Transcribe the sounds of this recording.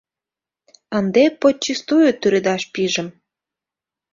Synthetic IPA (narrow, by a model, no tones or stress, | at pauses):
ənd̪epot͡ɕːist̪ujot̪yɾed̪ɑʃpiʒə̆m